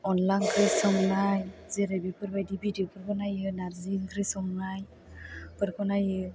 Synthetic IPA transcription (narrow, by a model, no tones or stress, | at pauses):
ɔnlankɾɯsɔmnajzɛɾebipɯɾbajdibidiopʰɯɾkɔnajɯnaɾziŋkɾisɔmnaj | pɯɾkɔnajɯ